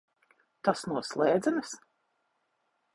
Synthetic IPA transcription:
t̪asnuɔslˠɛːd̪zɛnɨs

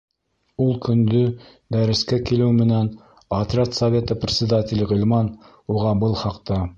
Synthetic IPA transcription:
ulˠkɵ̆nd̪ɵ | d̪æɾɘ̆skækilɘwmɘ̆næn | ɑt̪ɾʲɑt̪sɐvʲe̞t̪ɤprʲɪt̪sʲɪd̪at̪ʲɪlʲʁɵ̆lʲmɑn | uʁɑbɤlˠχɑqt̪ɑ

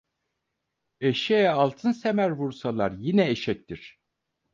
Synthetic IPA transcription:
eʃejɛalˠt̪ʰɯnsemæɾvuɾsalˠaɾjinɛeʃɛc̚t̪iɾ̝̥

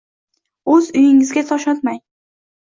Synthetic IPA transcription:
ɵzʊjɪŋɪzɡʲat̪ʰɒʃɒt̪maj

